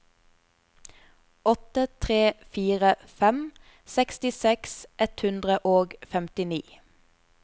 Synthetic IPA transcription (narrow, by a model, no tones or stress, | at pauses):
ɔt̪ət̪ʰʁeːfiːʁəfɛm | sɛkst̪ɪsɛksʔɛt̪hʉnd̪ʁəʔoːɡfɛmt̪ɪniː